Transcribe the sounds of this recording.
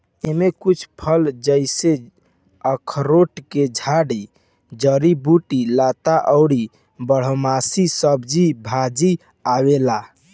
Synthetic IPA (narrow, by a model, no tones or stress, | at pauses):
emekut͡ʃʰpʰəld͡ʒəɪse | əkʰɾoʈked͡ʒʱaɽi | d͡ʒəɾibuʈilat̪aʔəʊɽi | bəɽ̤omasisəbd͡ʒibʱad͡ʒi | awela